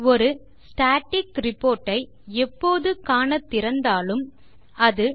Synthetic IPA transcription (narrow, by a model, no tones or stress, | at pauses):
ɔɾɯ | sʈaːʈːɪkɾɪpːoːɾʈːɐɪ | ɛpːoːðɯkaːnɐt̪ːɪɾɐnd̪aːlɯm | ɐðɯ